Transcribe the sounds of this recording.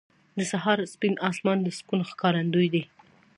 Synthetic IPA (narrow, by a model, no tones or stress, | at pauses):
d̪əsaɦɑɾspinɑsmɑnd̪əskunxkɑɾand̪ujd̪e